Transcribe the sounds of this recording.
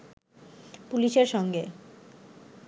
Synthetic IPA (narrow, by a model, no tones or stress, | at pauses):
puliʃeɾʃɔŋɡe